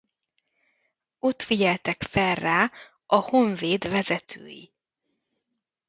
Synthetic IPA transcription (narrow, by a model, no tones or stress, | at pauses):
o̞t̪fiɟɛlt̪ɛkfɛlrːaː | ɒho̞ɱveːd̪vɛzɛt̪ʰø̰ːjḭ